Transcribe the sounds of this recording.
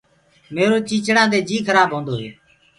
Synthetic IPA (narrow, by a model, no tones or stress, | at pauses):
meːɾoːt͡ʃiːt͡ʃɽãːd̪eːd͡ʒiːkʰəɾaːbʱɦõːnd̪oːɦeː